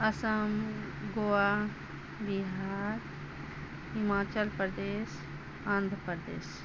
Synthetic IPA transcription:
ɐsəm | ɡoa | biɦaːɾ | himaːt͡ʃəlpɾd̪eːs | ãːnd̪ʱpəɾd̪ḛːs

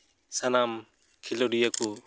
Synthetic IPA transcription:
sanam | kʰilɔɾijaku

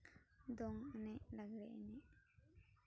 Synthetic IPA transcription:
d̪ɔŋnɛʔlaɡɾɛ̰ʔnɛʔ

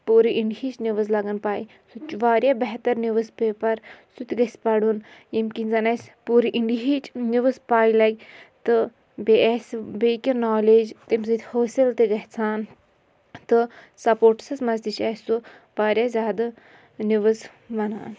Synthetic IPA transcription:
puːɾiʔiɳɖiɦit͡ʃniʋəzlɐɡɐnpaːi | sut͡ʃuʋaːɾʲjabɐɦt̪ɐɾniʋɨzpeːpɐɾsut̪ʲɡɐsʲpɐɽunjemkinzɐnɐsʲpuːɾiʔiɳɖiɦit͡ʃniʋɨspaːilɐɡʲt̪ɨ | beɛsʲbekʲinaːled͡ʒt̪emzid̪ʲhoːsʲilt̪eɡɐɦt͡sʰaːn | t̪ɨ | sɐpoːɾʈsɐsmɐzd̪it͡ʃʰɐsʲo | baːɾʲjazʲaːd̪ɨ | niʋɐz | ʋɐnaːn

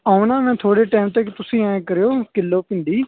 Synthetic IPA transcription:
aːũnaːmɛ̃ːt̪ʰoːɽeːʈaːmt̪eːkt̪ʊsĩːɛ̃ːkəɾeːoːkɪlːoːpɪ̃nd̪iː

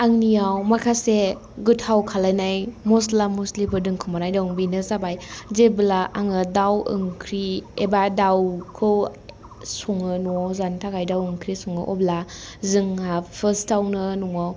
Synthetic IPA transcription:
aŋnijawmakʰase | ɡɯtʰawkʰalajnajmɔslamuslipʰɯdɯŋkʰɯmanajdawŋbinɯzabajzebɯlaʔaŋɯdawɯ̰ŋkʰɾiebadawkʰɯw | sɔŋɯnuŋawzantʰakajdawɯŋkʰɾisuŋɯ̰ʔɔblazɯŋapʰɯstawnɯnuŋaw

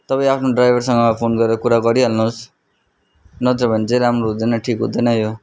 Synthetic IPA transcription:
t̪ʌpaĩapʰnoɖrajbʱʌrsʌŋɡʌpʰonɡʌɾeɾʌkuɾaɡʌɾiɦʌlnus | nʌt̪ʌbʱʌnt͡seɾamroud̪ʌnʌʈʰikɦṵ̃d̪ʌnʌjo

